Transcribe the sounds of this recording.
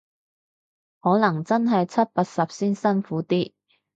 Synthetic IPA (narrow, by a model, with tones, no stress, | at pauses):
hɔː˨˥nɐ˨˩ŋt͡sɐ˥nɦɐ˨jt͡sʰɐ˥t̚paː˧t̚sɐ˨p̚siː˥nsɐ˥nfuː˨˥t̪iː˥